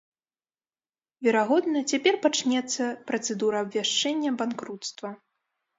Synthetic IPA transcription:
vʲɛɾaɣɔd̪nɐt͡sʲapʲɛrpat͡ʂnʲɛt̪sːɐpɾɐt̪sɛd̪uɾɐːbvʲaʂt͡ʂɛnʲːɐbankɾut̪st̪vɐ

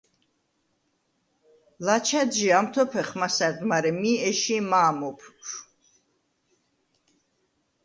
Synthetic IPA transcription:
lat͡ʃʰad̪ʒiamt̪ʰɔpʰɛχmasaɾd̪maɾɛmiɛʃimaːmɔpʰʃ

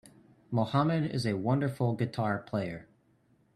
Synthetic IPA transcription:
moʊhamɨɾɪ̰zɨwʌ̃ndə˞flˠɡɨtʰɑɹpʰl̥eɪə˞

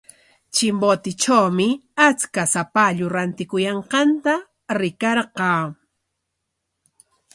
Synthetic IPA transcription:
t͡ʃɪmbot̪ɪt͡ʃawmɪat͡skasapaʎʊɾant̪ɪkʊjɑɴqɑnt̪a | ɾɪkɑɾɢɑː

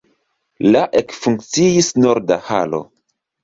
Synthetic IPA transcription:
laʔekfuŋk̚t͡siisnoɾdaha̰lo̞̰

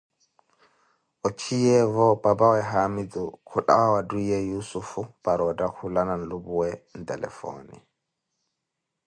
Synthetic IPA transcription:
ʔɔt͡ʃʰijɛvɔbabawɛɦamidukʰuɗa̰wawadujɛjusufub̥aɾɔdakulananlubuwɛndɛlɛ̰fɔ̰ːnḭ

